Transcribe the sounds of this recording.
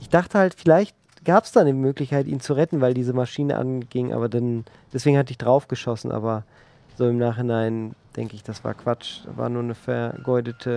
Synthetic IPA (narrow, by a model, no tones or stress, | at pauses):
ʔɪçd̥aχtəhaltfɪlaɪçt̚ | ɡ̥aːpsd̥aːnəmøːklɪçkaɪtʔiːnt͡suʁɛtn̩vaɪldiːzəmaʃiːnə̰ʔa̰nɡɪŋʔa̰ːbɐdan | d̥ɛsv̥eːɡŋ̩hat̬əɪçd̥ʁaʊfɡ̥əʃɔsn̩ʔa̰ːbɐ | z̥oːɪmnaːχhɪnaɪnd̥ɛ̰ŋkəɪçd̥asv̥a̰ːɐkv̥at͡ʃd̥a̰ːva̰ːɐnuːɐnəfɛɐɡɔʏdətʰə